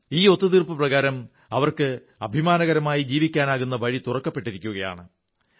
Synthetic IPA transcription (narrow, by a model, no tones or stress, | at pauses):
iːo̞t̪ːɐðirpɨprɐɣaːɾɐm | ɐʋɐrkɨ | ɐbʱimaːnɐɣɐɾɐmaːjid͡ʑiːʋikʲːaːnaːɣunːɐʋɐɻit̪urɐkːɐpːe̞ʈːiɾikʲːuɣɐja̰ːɳɨ